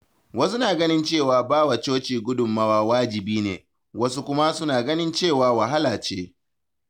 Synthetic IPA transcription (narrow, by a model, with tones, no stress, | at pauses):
wɐ˦su˦naː˨ɡɐ˦nɪ˦nt͡ʃeː˦˨waː˨baː˦wɐ˨t͡ʃoː˦t͡ʃiː˨ɡʷʊ˦dʊ˨mːa˦waː˦waː˦d͡ʒɪ˨biː˦nḛː˨ | wɐ˦su˦kʷʊ˦ma˦sʊ˦naː˨ɡɐ˦nɪ˦nt͡ʃeː˦˨waː˨wa˨ɦa˦laː˨t͡ʃeː˦